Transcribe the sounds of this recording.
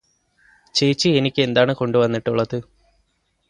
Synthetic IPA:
t͡ɕe̞jt͡ɕːɨenikʲːe̞nd̪aːɳɨko̞ɳɖuʋɐnːiʈːuɭːɐðɨ

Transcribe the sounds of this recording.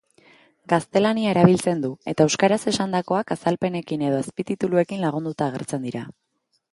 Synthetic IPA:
ɡast̪e̞laniae̞ɾaβ̞ilt͡se̞nd̪ue̞t̪aewskaɾase̞sand̪ako̞akasalpe̞ne̞kine̞ð̞o̞espit̪it̪ulue̞kinlaɣ̞und̪ut̪aːɣ̞e̞ɾt͡se̞nd̪iɾa

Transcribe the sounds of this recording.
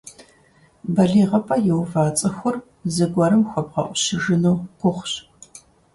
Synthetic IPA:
bɐɮiːʁɐpʰʼɐjɛwvaːt͡sʼɨxʷʊr | zɨɡʷɐɾɨmxʷɔb̚ʁɐ̰ʔʷʊɕɪʒɨnuːɡʷʊχʷɕ

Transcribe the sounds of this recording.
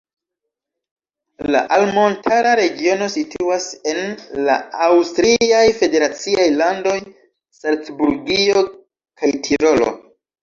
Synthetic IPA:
la̰ʔalmo̞ntʰaɾaɾe̞ɡio̞no̞sitʰuase̞nla̰awstɾiajfe̞de̞ɾat͡siajlando̞j | salt͡sbuɾɡio̞ | kʰajtʰiɾo̞lo̰

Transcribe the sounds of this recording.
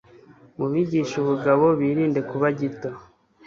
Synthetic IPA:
muβiɟiːʃuβuɡaβo̞βiːɾiːnde̞kuβaɟito

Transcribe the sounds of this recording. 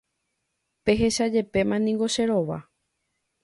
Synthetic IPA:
pe̞ɦe̞ʃad͡ʒe̞pe̞mãnĩŋɡo̞ʃe̞ɾo̞ʋa̰

